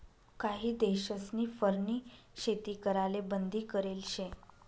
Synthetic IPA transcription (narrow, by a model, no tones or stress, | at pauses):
kaɦiːd̪eɕəsniːfəɾniː | ɕet̪ikəɾalebənd̪ʱiːkəɾelɕẽ